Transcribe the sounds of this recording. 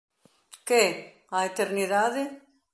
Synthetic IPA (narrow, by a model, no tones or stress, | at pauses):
keɛ | aet̪eɾniðaðe